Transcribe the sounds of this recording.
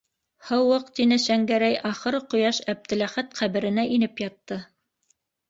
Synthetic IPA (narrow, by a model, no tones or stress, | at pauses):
hɤwɤqt̪inɘʃæŋɡæɾæjʔɑχɤ̆ɾɤqŏjɑʃæb̚t̪ɘ̆læχæt̪qæβɘ̆ɾɘ̆næʔinɘpjɑt̪ːɤ